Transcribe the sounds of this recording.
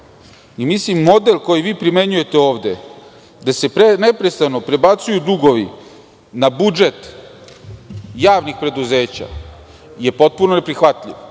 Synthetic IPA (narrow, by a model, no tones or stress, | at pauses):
imislimːo̞d̪elˠko̞jiʋiːpɾime̞ɲuje̞t̪e̞o̞ːʋd̪e̞ | d̪ase̞pɾene̞pɾest̪ano̞pɾebat̪sujud̪uɡo̞ʋḭ | nabud͡ʒe̞t̪ | jaːʋnixpɾe̞d̪uze̞ːt͡ɕa̰ | je̞po̞t̪̚punone̞pɾixʋat̪ʎʲiʋ